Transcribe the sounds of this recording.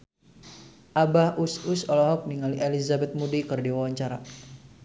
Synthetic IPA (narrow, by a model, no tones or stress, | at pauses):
ʔabahususɔlɔɦɔk̚niŋaliʔelizabɛt̪̚mudikɨrdiwawaɲt͡ʃaɾa̰